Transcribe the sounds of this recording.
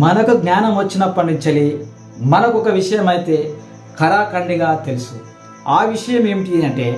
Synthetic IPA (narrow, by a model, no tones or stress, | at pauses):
mɐnɐkuɡnaːnɐmʋɐt͡ʃːinɐpːɐnit͡ʃɐli | mɐnɐkuɔkɐʋiʂɐjɐmɐjt̪e̞ː | kʰɐɾaːkɐɳɖiɡaːt̪e̞lusu | aːʋiʂɐjɐme̞ːmiʈiɐɳʈe̞ː